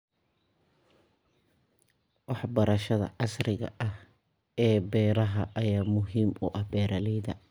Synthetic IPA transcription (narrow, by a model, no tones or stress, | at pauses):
wɑħbɐɾɐʃɐðɐ̰ʕɑsɾɪɣɐ̰ʔɐh | ɛːbɛːɾɐɦɐʔɐjaːmʊɦiːmʊʔɐhbɛːɾɐlɛjðɐ